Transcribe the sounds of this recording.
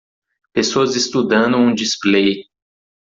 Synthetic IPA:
pesoɐzist̪ud̪ɐ̃nd̪ʊ̃ũd͡ʒisplej

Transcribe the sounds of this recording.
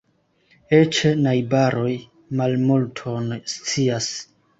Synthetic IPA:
et͡ʃenajbaɾo̞j | malmultʰonst͡sias

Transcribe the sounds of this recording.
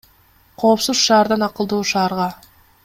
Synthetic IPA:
qʰo̞ːpsuzʃɑːɾd̪ɑnɑqɯlˠd̪oːʃɑːɾʁɑ

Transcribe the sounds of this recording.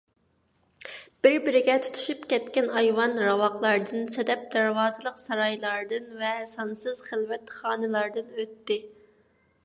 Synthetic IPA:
b̥ɪɾbɪɾɪɡʲɛt̪ʰu̥t̪ʰu̥ʃypkʲɛt̪kʲɛnɑjwɑnɾɑwɑqlˠɑɾd̪ɨnsɛd̪ɛp̚d̪æɾwɑːzɨlˠəqsɑɾɑjlˠɑɾd̪ɨnvɛsɑnsɨz̥χəlˠvɛt̪χɑːnɨlˠɑɾd̪ɨnøt̪ːɪ

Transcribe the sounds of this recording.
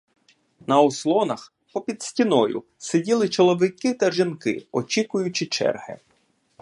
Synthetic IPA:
nɐɔslˠɔnɐx | pɔpʲid̪̥sʲtʲinɔjʊ̰ | sedʲilˠɪt͡ʃɔlˠɔʋɪkɪt̪ɐʒinkɪ̰ɔt͡ʃʲikʊjʊt͡ʃɪt͡ʃɛ̰rhɪ̰

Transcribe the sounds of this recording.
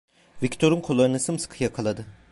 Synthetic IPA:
vict̪ʰo̞ɾunkʰo̞lˠːaɾɯnɯsɯmsɯ̥kʰɯjakʰalˠad̪ɯ

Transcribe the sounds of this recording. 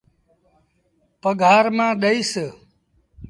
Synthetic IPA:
pəɡʱaːɾmãːɗəisə

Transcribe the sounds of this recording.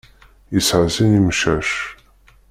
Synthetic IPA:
isʕzinimʃæʃ

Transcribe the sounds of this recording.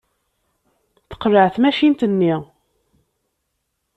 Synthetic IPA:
θə̥qːɾəʕθmæʃint̪ənːi

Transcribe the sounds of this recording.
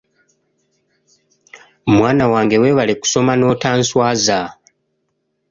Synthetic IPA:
mwaːnawaːŋɡe̞we̞ːβale̞ku̥so̞mano̞ːtaːnswaːza

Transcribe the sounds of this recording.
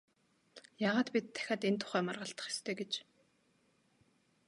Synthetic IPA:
jaːʁaːt̪pʲit̪ʰːæ̥xʲaːt̪ent̪ʰʊ̥χæːmarʁə̆ɬt̪ə̥̆χe̥st̪ʰeːɡet͡ɕ

